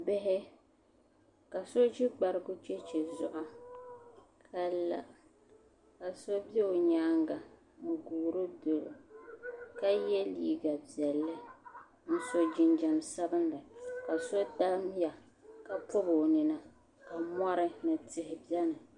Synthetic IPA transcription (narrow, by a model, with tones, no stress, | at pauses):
bɪ˦ɦɪ˦ | ka˨so˦d͡ʒi˦ɡ͡ba˨ɾɪ˦ɡʊ˦t͡ʃɛ˦t͡ʃɛ˨zʊ˦ʔa˦ | kʰa˦la̰˦˨ | ka˨so˦bɛ˦o˨ɲaː˦ŋɡa˨ | n̩˨ɡuː˨ɾɨ˦do˨lo̰˨ | ka˦jɛ˦liː˦˨ɡa˨bi˨ɛ˨lːɨ˦ | n̩˦so˦d͡ʒɪ˦nd͡ʒa˨m˨sa˦bɨ˦n˦lɨ˨ka˨so˦ta˦m˦ja˨ | ka˨pʊ˦bo˨nɪ˨na˨ | ka˨ma˦ɾɨ˦nɨ˨tɪ˨hɪ˨bjɛ˦nɨ˨